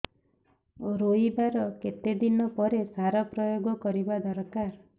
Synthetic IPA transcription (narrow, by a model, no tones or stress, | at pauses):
oɾoibaɾɔket̪ed̪inɔpɔɾesaɾɔpɾɔjoɡɔkɔɾibad̪ɔɾkaɾ